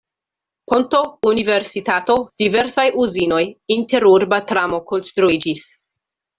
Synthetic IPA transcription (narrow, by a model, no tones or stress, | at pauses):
ponto̞unive̞ɾsitato̞d̥ive̞ɾsajʔuzino̞jinte̞ɾuɾbatɾamo̞konst̪ɾuid͡ʒis